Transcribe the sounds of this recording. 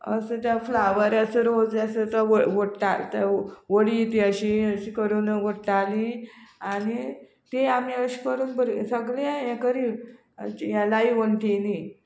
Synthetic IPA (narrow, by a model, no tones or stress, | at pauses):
ə̰sət̪jaflaʋəɾasəɾod͡zesət̪əʋəʋəɽʈalt̪əʋəɽit̪iəɕiəɕikəɾunəʋəɽʈaliañi | t̪eamiəɕi̥kəɾuːnbəɾsəɡleajɛ̃kəɾḭ | jalaiʋəɳʈ̪eni